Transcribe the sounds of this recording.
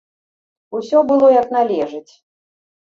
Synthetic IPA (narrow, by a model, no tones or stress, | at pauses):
usʲɔbɨlˠɔjɐknalʲɛʐɨt͡sʲ